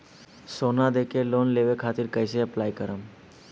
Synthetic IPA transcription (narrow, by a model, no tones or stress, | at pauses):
sonad̪ekʰeloːnleʋekʰat̪iɾkəjseəplaːjkəɾəm